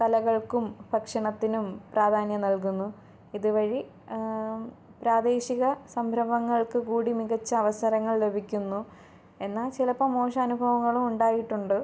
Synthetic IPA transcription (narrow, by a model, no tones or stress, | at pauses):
t̪ɐlɐɣɐɭkumbʱɐkʂɐɳɐt̪ːinumpraːd̪ʱaːnjɐnɐlkunːu | iðɨʋɐɻi | pɾaːd̪e̞ːɕiɣɐsɐmbʱɾɐʋɐŋːɐɭkɨkuːɽimiɣɐt͡ɕːɐɐʋɐsɐɾɐŋːɐɭle̞bʱikʲːunːu | e̞nːaːlt͡ɕilɐpːomo̞ːʂɐɐnubʱɐʋɐŋːɐɭumuɳɖaːjiʈːuɳɖɨ